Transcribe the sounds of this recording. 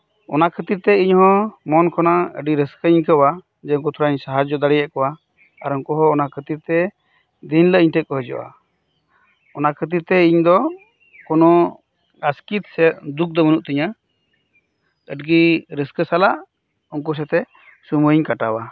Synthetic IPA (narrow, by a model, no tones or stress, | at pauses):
ɔnakʰət̪iɾt̪ɛiɲhɔ̃mɔnkʰɔnaə̰ɖiɾəskəɲkəwa | d͡ʒɛuŋk̬ut̪ʰuɾaɲsaɦad͡ʒd͡ʒɔd̪aɽɛjaʔkɔwa | aɾɔŋkɔɦɔːnakʰət̪iɾt̪ɛ | d̪inləʔiɲʈəkɔɦɔd͡ʒɔ̰ʔa̰ | ɔnakʰət̪̬iɾt̪ɛiɲd̪ɔ | kɔnɔ | ɡaskit̪sɛt̪̚d̪uk̚d̪ɔmənuʔt̪iɲa | əɖɡiɾəskəsalaʔ | ɔŋk̬us̬ɛt̪ɛ | sumuiɲkaʈawa